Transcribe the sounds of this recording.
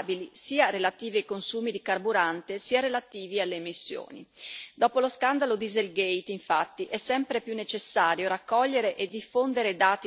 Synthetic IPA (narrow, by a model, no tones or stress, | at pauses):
bilisiːaɾelat̪iːviajkonsuːmid̪ikarbuɾant̪esiːaɾelat̪iːvialːeːmisːjo̰ːnḭd̪ɔːpoloskand̪alod̪izelɡejt̪iɱfat̪ːiʔɛsːɛmpɾepjunːet͡ʃesːaːɾjoɾakːɔʎːeɾeʔed̪ːifond̪eɾed̪aːt̪i